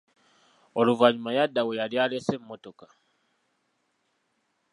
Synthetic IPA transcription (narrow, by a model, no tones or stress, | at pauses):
o̞luvaɲumajadːawe̞jaljaːlese̞mːo̞to̞ka